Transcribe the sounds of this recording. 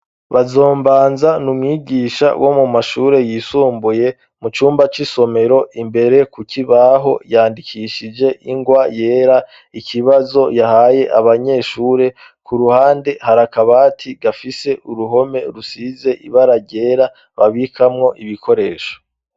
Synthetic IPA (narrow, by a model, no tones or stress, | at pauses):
βazo̞ːmbaːnzanumŋiːɡiːʃa̰wʔo̞mumaʃuːɾe̞jiːsuːmbuje̞ | mut͡ʃuːmbat͡ʃiso̞me̞ɾo̞ʔimbe̞ɾe̞kukiβaɦo̞jaːndikʰiʃid͡ʒe̞ʔiŋɡwaje̞ːɾa | ikʰiβazo̞jahaːje̞ʔaβaɲe̞ʃuːɾe̞ | kuɾuhaːnde̞haɾakaβaːtʰiɡafise̞ʔuɾuɦo̞me̞ɾusize̞ʔiβaɾaɟe̞ːɾa | βaβikʰamŋo̞ʔiβikʰo̞ɾe̞ːʃo̥